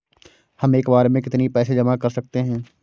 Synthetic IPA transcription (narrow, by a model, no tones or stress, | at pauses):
hɐmeːkbaːɾemẽkɪt̪nipɛːsed͡ʒɐmakɐɾsɐk̚t̪eɦɛ̃ː